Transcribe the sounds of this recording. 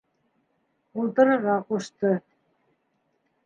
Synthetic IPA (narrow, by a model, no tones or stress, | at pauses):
ulˠt̪ɤ̆ɾɤ̆ʁɑquʃt̪ɤ